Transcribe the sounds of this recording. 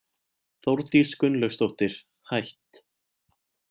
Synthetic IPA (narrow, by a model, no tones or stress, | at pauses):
θowɾt̪iskʏnlœɥwst̪owht̪ɪɾ̥ | hajht̪